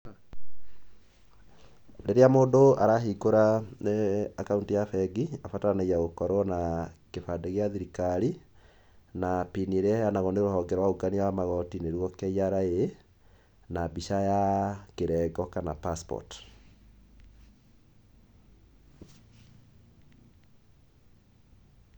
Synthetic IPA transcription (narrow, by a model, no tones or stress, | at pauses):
ɾeɾeamoːdoaɾaɦikoɾa | akauntijafɛɡiafatanajaɣokɔɾɔnakefadeɣeaðiɾikaɾi | napinieɾeaanaɣɔneɾohɔŋɡɛɾwaoɡaniwamaɣɔtineɾwɔkɛiaɾae | nabiʃajakeɾɛɡɔkanapaspɔ̰t